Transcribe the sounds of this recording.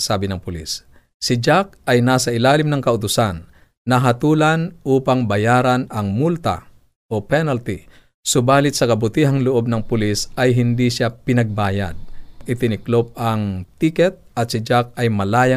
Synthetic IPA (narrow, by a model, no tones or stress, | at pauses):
saːbɪnɐŋpʊlḭs | sɪd͡ʒak̚ajnaːsɐʔɪlaːlɪmnɐŋkɐʊt̪ʊsanː | ɐɦat̪uːlanʔuːpaŋbɐjaːɾanɐŋmult̪a̰ | ʔopɛnalt̪i | sʊbaːlɪt̪sɐkɐbʊt̪iɦaŋlʊʔob̚nɐŋpʊlisajɦɪnd̪iʃapɪnɐɡ̚baːja̰d̪̚ʔɪt̪ɪnɪklop̚aŋt̪ikɛt̪̚ɐt̪̚sɪd͡ʒak̚ajmɐlaːja